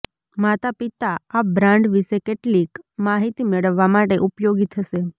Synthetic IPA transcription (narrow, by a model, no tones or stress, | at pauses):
mat̪apit̪aːbɾãɳɖʋiʃekeʈlikmaɦit̪imeɭəʋːamaʈeʔupjoɡit̪ʰəʃe